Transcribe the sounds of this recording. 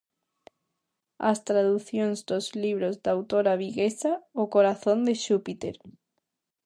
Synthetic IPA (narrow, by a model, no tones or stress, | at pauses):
a̰st̪ɾaðuθjõŋzd̪ozliβ̞ɾozd̪awt̪oɾaβ̞iɣesaokoɾaθond̪eʃupit̪ḛɾ